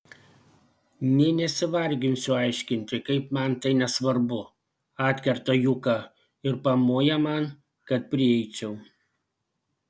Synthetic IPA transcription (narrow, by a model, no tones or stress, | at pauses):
nʲɛɪnʲɛsʲɪʋɐɾʲɡʲɪnʲsʲʊɑˑɪʃʲkʲɪnʲt̪ʲɪkɐɪpmɐnt̪ɐɪnʲɛsʋɐɾbʊ | ɑːt̪ʲkʲɛɾt̪ojʊkɑ | ɪɾpɐmoːjɛmɐn | kɐt̪̚pʲɾʲɪɛɪt͡ʃʲɛʊ